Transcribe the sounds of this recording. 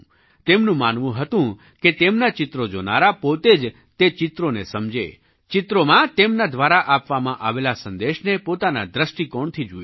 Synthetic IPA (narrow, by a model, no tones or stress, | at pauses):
t̪emnũmanʋũɦət̪ũ | ket̪emnat͡ʃɪt̪ɾod͡ʒona̰ɾapot̪ed͡ʒ | t̪et͡ʃɪt̪ɾonesəmd͡ʒḛ | t͡ʃɪt̪ɾomãt̪emnad̪ʋaɾaʔapʋamãʔaʋelasənd̪eʃnepot̪ana̰d̪ɾəʃʈikɔɳt̪ʰid͡ʒu